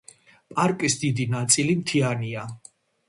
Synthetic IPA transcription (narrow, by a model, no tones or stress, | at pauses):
pʼaɾkʼisd̪id̪inat̪sʼilimt̪ʰiania